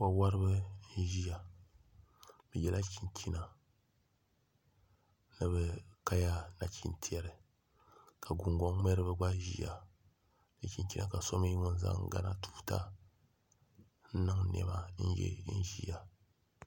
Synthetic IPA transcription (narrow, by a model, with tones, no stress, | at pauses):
ka˨wa˦ɾɨ˦bɨ˦n̩˦ʒi˦ja˨ | bɨ˨jɛ˨la˦kʰi˨nkʰʲi˦na˨ | nɨ˨bɨ˨ka˦ja˦na˨t͡ʃi˦ntʰi˦ɛ˨ɾɨ˨ | ka˨ɡu˨ŋɡɔ˦ŋ˦mɛ˦ɾɨ˦bɨ˨ɡ͡ba˦ʒḭ˦ja̰˨ | nɨ˨ki˨n˦ki˦na˨ka˨so˦m˦ji˦ŋo˦n̩˦za̰˦ŋ˦ɡa̰˦na˦tʰu̥˦ta̰˦ | n̩˦nɨ˦ŋnɛ̰˦ba˦n̩˦jɛ̰˦n̩˦ʒi˦ja˨